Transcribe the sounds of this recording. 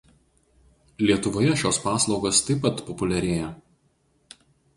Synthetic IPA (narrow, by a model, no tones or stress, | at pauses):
lʲiɛt̪ʊʋoːjɛʃʲoːspɑːslˠɒʊɡoːst̪ɐɪpːɐt̪pɔpʊlʲɛɾʲeːjɛ